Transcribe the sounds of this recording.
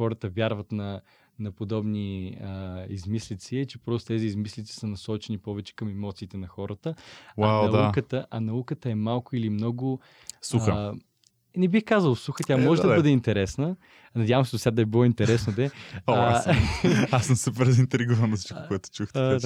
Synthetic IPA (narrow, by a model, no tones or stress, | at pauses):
xɔɾət̪əvʲjaɾvɐt̪nɐ | nɐpod̪ɔbniəizmislit̪siɛt͡ʃɛpɾɔst̪o̥t̪ɛziːzmislit̪si̥sənɐsɔt͡ʃɛnipɔvɛt͡ʃɛ̥kɐmɛmɔt̪siːt̪ɛnɐxɔɾət̪əwaaw̪ukət̪əʔɐnɐukət̪əɛmalˠkʊilimnɔɡʊ | suxə | nɛbixkazəlˠsuxət̪ʲjamɔʒɛd̪ɐbɤd̪ɛint̪ɛɾɛsnə | nɐdʲjavəmsɛd̪osʲad̪ɐɛbilˠɔint̪ɛɾɛsnod̪ɛ | asmsəpəɾzint̪ɾiɡuvɐnɐst͡ʃkʊɛt̪o̥t͡ʃuxt̪